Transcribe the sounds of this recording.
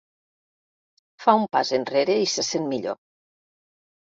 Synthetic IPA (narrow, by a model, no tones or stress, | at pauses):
faumpa̰zenreɾeisesenmiʎo̰